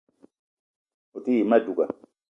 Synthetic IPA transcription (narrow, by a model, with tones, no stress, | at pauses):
u˨t̪i˦i˨ma˦du˨ɡa˨